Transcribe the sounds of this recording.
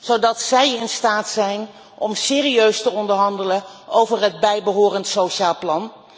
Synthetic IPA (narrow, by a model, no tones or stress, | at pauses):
z̥owdɑtsɛjɪnstaːtsɛjn | ʔɔmsɪːriøɥstəɔndəɹɦɑndələowvərɦəd̚bɛjbəɦʊːrəntsoʃaːlˠplɑn